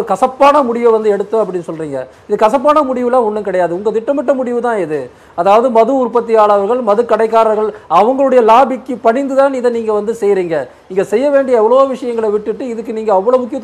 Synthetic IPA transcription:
ɯkɐsɐpːaːnɐmʊɽɪʋɐʋɐnd̪ɯɛɽɯt̪ːɐɐp̬ːɐɽɪnːɯsɔlriːŋɡɐ̰ | ɪðɯkɐsɐp̬ːaːnɐmʊɽɪʋɯlãːɔɳːɯkɪɽɐjaːðɯʊŋɡɐt̪ɪʈːɐmɪʈːɐmʊɽɪʋɯt̪ãːɪðɯ | ɐðaːʋɐðɯmɐðɯʊɾpɐt̪̬ːɪjaːɭɐʋɐɾɣɐɭmɐðɯkɐɽɐɪkːaːɾɐɾɣɐɭɐʋɐŋɡɐɭɯɽɐjɐlaːbɪkːɯpɐɳɪnd̪ɯt̪aːnɪðɐniːŋɡɐʋɐnd̪ɯsɛjɾiːŋɡɐniːŋɡɐsɛjːɐʋeːɳɖɪjɐɛʋːɐɭoʋɪʂɐjɐŋɡɐɭɐʋɪʈːɯʈːɯɪðɯk̬ːɯniːŋɡɐːʋːɐɭoːmʊkːɪjɐ

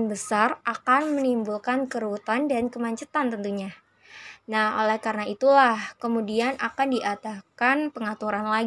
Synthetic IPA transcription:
nbəsarʔakanmənimbulkankəɾut̪andankəmaɲt͡ʃət̪ant̪ənt̪uɲa | naho̰lɛhkaɾənait̪ulahkəmudianʔakandiʔat̪ahkanpəŋat̪uɾanlaɡ

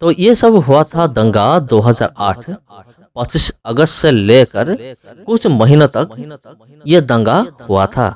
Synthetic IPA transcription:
t̪ojesəbɦʊat̪ʰad̪ɐ̃ŋɡad̪oːɦəza̰ːɾaːʈʰ | pət͡ʃisəɡəst̪seleːkəɾkʊt͡ʃʰməɦɪnət̪ɐk | jed̪ɐ̃ŋɡahʊa̰t̪ʰa̰

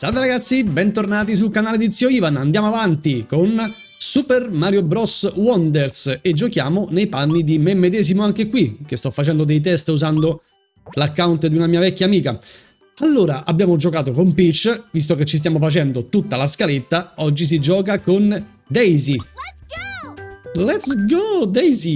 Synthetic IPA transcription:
salveɾaɡat̪sːibɛnt̪ornaːt̪̬is̬ulkanaːled̪it̪sːioiːvanand̪jaːmoavant̪ikon | supɛrmaːɾjobɾɔswɔnd̪ersed͡ʒːokjaːmonejpanːid̪imemːed̪ɛːzimoaŋk̟ekwik̟est̪ɔfːat͡ʃɛnd̪od̪ejt̪̬ɛst̪uzand̪o | lakːawnt̪d̪iunamiːavɛkːaːmiːka | alːoːɾaʔabːjaːmod͡ʒokaːt̪okompit͡ʃːvis̬t̪oket͡ʃːis̬t̪jamofat͡ʃɛnd̪ot̪ut̪ːalaskalet̪ːaɔd͡ʒːis̬id͡ʒɔːkakon | d̪ɛjzi | lɛt̪sɡod̪ɛjzi

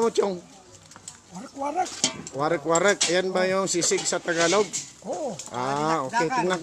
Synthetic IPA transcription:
mʊt͡ʃ̪joŋ | waɾɛkwaɾɛk̚janbajʊŋsisɪɡsɐt̪ɐɡaloɡ̚ | ʔaoːkɛt̪ɪŋnak

